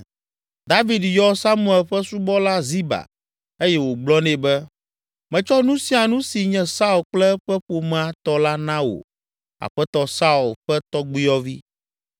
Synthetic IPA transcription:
d̪a˦vi˨djɔ˦sa˦mũ˦˨ɛ˨lɸɛ˦su˦bɔ˦la˦zi˦ba̰˨ | e˦jɛ˦wo˨ɡ͡blɔ˦nɛ̃˨bɛ˦ | mɛ̃˨t͡ʃɔ˦nũ˦si˦a˨nũ˦si˨ɲɛ̃˦sa˦u˨lk͡plɛ˦ɸɛ˦ɸo˨m̃˦˨a˨˦t̪ɔ˦la˦nã˦wo̰˨ | a̰˨ɸɛ˦t̪ɔ˦sa˦u˨lɸɛ˦t̪ɔ˦ɡ͡bi˦jɔ˦vi˦

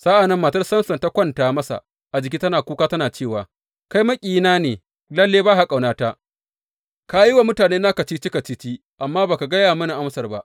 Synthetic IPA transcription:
sa˦ʔa˨nɐ˦mːaː˨tɐ˦rsɐ˦nsɐ˨nta˦kʷɐ˦ntaː˨mɐ˦sa̰˨ | ʔa˨d͡ʒɪ˨k̬ʲiː˦tɐ˦naː˨kʷuː˦kaː˦tɐ˦naː˨t͡ʃeː˦˨waː˨ | ka˦jmɐ˦kʲʼiː˨naː˦neː˨ | lɐ˦lːeː˦baː˦ɦa˨kʼa˨wnaː˦ta˦ʔ | ka˦ji˦wa˨mʊ˦taː˨neː˦na˦kɐ˨t͡ʃi˦t͡ʃɪ˦kɐ˨t͡ʃi˦t͡ʃi˦ | ʔa˨mːaː˦baː˨ka˨ɡɐ˦jaː˨mɐ˦ni˨ʔa˦msɐ˨rba˦ʔ

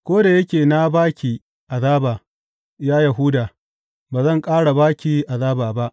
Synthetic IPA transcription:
kʷoː˦da˨jɐ˦kʲeː˨na˦baː˦kʲiː˨ | ʔa˨zaː˦ba˨ | jaː˦ja˨ɦʊ˦daː˨ | baː˨zɐ˦˨ŋkʼaː˦ɽa˨baː˦kʲiː˨ʔa˨zaː˦baː˨ba˦ʔ

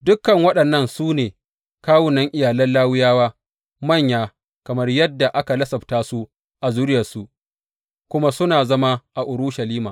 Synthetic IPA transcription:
dʊ˦kːɐ˨ŋwɐ˦ɗɐ˨nːɐ˦nsuː˦neː˨ | kaː˦wʊ˨nɐ˦ŋʔɪ˨jaː˨lɐ˦nlaː˦wʊ˦jaː˦waː˦ | mɐ˦˨ɲjaː˦ | kɐ˨mɐ˦rjɐ˦dːa˨ʔa˦ka˨lɐ˦sɐ˨btaː˦su˦ | ʔa˨zʊ˦ɾɪ˦jɐ˨su˦ | kʷʊ˦ma˦sʊ˦naː˨zɐ˦ma˦ʔa˨ʔʊ˨ɾu˦ʃa˨liː˦maː˨

